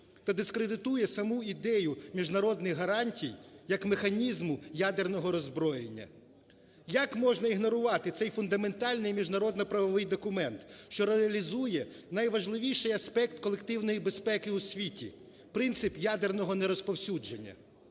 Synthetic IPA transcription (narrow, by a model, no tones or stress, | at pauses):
t̪ɐd̪ɪskɾed̪ɪt̪ujɛsɐmuid̪ɛjʊmʲiʒnɐɾɔd̪nɪɣɦɐɾɑnʲtʲijjɐkmexɐnʲizmʊjad̪ernɔɦɔɾɔzbɾɔjenʲːɐ̰ | jɐkmɔʒnɐiɦnɔɾʊʋɑt̪ɪt̪sɛjfʊnd̪ɐme̞nt̪ɑlʲnɪjmʲiʒnɐɾɔd̪nɔpɾɐʋɔʋɪjd̪ɔkʊmɛnt̪ʃt͡ʃɔɾeɐlʲizujɛ | nɐjʋɐʒlˠɪʋʲijʃɪjɐsʲpɛk̚t̪kɔlˠekt̪ɪwnɔjibespɛkɪʊsʲʋʲitʲḭ | pɾɪnt̪sɪpjad̪ernɔɦɔneɾɔspɔwsʲud͡ʒenʲːɐ̰